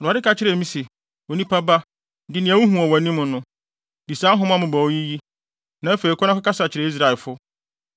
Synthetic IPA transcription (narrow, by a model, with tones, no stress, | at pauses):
ʊ̃˨a˨dɪ˦ka˨t͡ɕʰɪ˦ɾɛ˨mĩ˦sɪ˨ | wo˨nĩ˦pʰa˦ba˦ | dɪ˨nɪ̃˨æ̃˨wʊ̃˦ɦũ˨ɔ˨wa˨nĩ˦mʊ̃˨nʊ̃˦ | di˨sã˦ɦʊ̃˦m̃˦a˦mʊ̃˨ba˨o˦ji˦ji˦ | nã˨˦æ˦fe˨i˨kʰʷɔ˦nã˦ka˦ka˦sa˨t͡ɕʰɪ˨ɾɛ˨i˦s̬ɾa˨lfʊ˦